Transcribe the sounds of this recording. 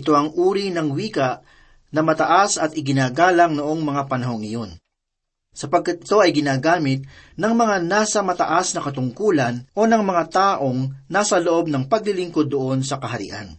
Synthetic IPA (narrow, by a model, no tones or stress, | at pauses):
ɪt̪o̞ʔɐŋʔuːɾinɐŋwiːkɐʔ | nɐmɐt̪ɐʔasɐt̪ʔɪɡɪnaːɡaːlɐŋnoʔo̞ŋmɐŋapɐnɐɦo̞ŋɪjo̞n | sɐpɐɡ̚kat̪̚ɪ̥t̪o̞ɐjɡɪnaːɡaːmɪt̪̚nɐŋmɐŋanaːsɐmɐt̪ɐʔasnɐkɐt̪ʊŋkuːlɐnʔo̞nɐŋmɐŋat̪aːʔo̞ŋnaːsɐloʔo̞b̚nɐŋpɐɡlɪlɪŋko̞d̪ːoʔo̞nsɐkɐɦɐɾɪ̰ʔa̰n